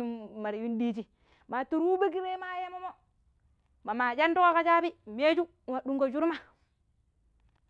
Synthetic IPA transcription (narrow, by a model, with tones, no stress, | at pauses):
ma˨ɾi˨ju˦ndiː˦t͡ʃi˨ | ma˨tu˨ɾu˦be˦k̬i˦ɾe˦ma˦ja˦mo˦mo˦ | ma˨ma˨d͡ʒa˦ndu˦ko˦ka˦t͡ʃa˦bi˦˨m˦e˦d͡ʒu˦˨ma˨ɗu˦ŋko˨d͡ʒu˦ɾma˦